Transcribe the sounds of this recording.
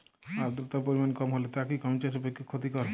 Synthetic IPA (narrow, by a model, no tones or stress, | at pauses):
aɾd̪ɾut̪apoɾimankɔmɦolet̪akikɔmt͡ʃaʃebekʰːekʰot̪ikɔɾe